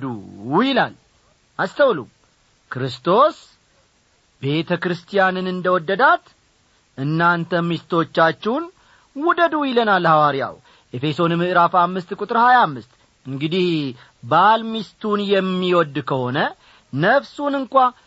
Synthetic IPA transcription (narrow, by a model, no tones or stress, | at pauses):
d̪ujɪlal | ʔast̪ʰəwlṵ | kɾɨst̪ʰo̞s | be̞t̪ʰəkɾɨst̪ʰijanɨnɨnd̪əwɔd̪ːəd̪at̪ | ʔɨnːant̪ʰəmist̪ʰo̞t͡ʃːat͡ʃːɛwn | wud̪əd̪ujɪlənalːhawaɾija̰w | ʔe̞fe̞so̞nmɨʔɨɾafamːɨst̪kʼut̪ʼɨɾhajamːɨst̪ | ɨŋɡɨd̪ih | balmist̪ʰunjɛmːiwɔd̪kʰəho̞nə | nəfsunɨŋkʷa